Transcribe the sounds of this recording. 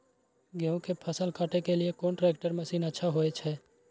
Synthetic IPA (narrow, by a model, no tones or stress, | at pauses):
ɡeũkepʰɐsəlkaːʈekeliekoːnʈɾeːk̚ʈəɾmɐsiːnətːʃʰaɦoet͡ʃʰɛː